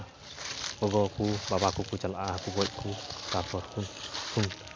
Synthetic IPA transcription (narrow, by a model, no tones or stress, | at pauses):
kɔɡɔkubabakukut͡ʃalʔahkubɔc̚kʰukapʰɔɾkʰunkʰun